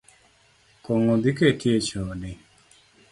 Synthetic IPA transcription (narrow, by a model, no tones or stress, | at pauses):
kɔŋod̪iketjet͡ʃɔdɪ